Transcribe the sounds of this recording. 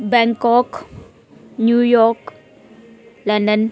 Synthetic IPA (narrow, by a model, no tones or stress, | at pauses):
bɛŋkɔk | njujɔk | landən